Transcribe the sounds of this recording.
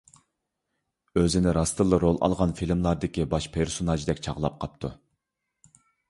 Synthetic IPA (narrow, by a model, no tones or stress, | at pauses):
øzɪnɪɾɑst̪ʰɨlˠːɨɾolˠɑ̰lˠʁɑnfilmlˠɑɾd̪ɪkʲibɑʃpʰeɾsonɑʒd̪ɛkʲt͡ʃʰɑʁlˠɑ̰p̚qʰɑp̚t̪ʰu